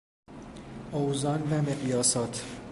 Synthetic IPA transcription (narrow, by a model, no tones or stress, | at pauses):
owzɒnvæmeɣjɒːsɒːt̪ʰ